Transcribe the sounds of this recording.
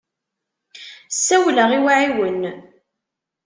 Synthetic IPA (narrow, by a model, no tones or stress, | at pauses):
sːæwləʁiwaʕiwən